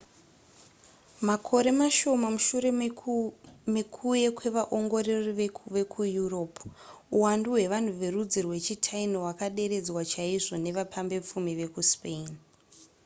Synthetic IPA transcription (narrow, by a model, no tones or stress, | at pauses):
makʰo̞ɾe̞maʃo̞mamuʃure̞ | mekʰuje̞kwe̞ʋaʔo̞ŋɡo̞reriʋe̞kʰujuro̞p | uwanduɦwe̞ʋan̤uʋe̞rud͡zirwe̞t͡ʃitʰainowakaɗe̞ɾe̞d͡zwat͡ʃaiʐo̞ne̞ʋapʰambe̞p͡fumiʋe̞kuspein